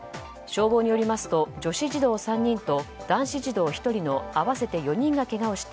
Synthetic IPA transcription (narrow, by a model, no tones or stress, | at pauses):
ɕo̞ːɡo̞ːɲ̟ijo̞ɾʲimasɨ̥t̪o̞d͡ʑo̞ɕiʑid̪o̞ːsãɲ̟ːĩnt̪o̞d̪̥ãɰ̃ɕiʑid̪o̞ːçi̥t̪o̞ɾʲino̞aβase̞t̪e̞jo̞ɲ̟ĩŋɡake̞ɡao̞ɕi̥t̪e